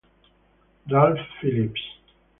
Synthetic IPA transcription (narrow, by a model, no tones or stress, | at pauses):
dalfːilip